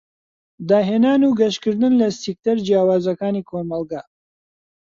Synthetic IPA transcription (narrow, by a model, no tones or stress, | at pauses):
d̪aːɦeːnaːnuːɡɐʃkɨɾd̪ɨnlɐsik̚t̪ɐɾd͡ʒjaːwaːzɐkaːniːkʰoːmɐlˠɡa